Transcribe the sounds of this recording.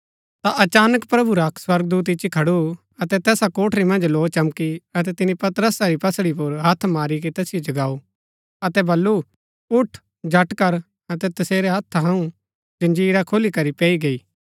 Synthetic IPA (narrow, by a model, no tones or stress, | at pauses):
t̪aʔɐt͡ʃaːnəkpɾɐbuɾaswɐɾɡd̪uːt̪̬ɪt͡ʃːikʰɐɽu | ɐt̪ɛt̪ɛːsakoːʈʰɾimɐ̃nd͡ʒloːt͡ʃɐmkiɐt̪ɛt̪ɪnipɐt̪əɾəsaɾipɐsɽipʊɾɦɐt̪ʰmaːɾik̬et̪ɛːsɪjod͡ʒɐɡaːu | ɐt̪ɛbɐlːu | ʊʈʰ | d͡ʒɐʈkɐɾ | ɐt̪ɛt̪ɐseːɾeɦɐt̪ʰːɦɐ̃ũ | d͡ʒɐ̃nd͡ʒiːɾakʰolikɐɾipɛːiɡɐiː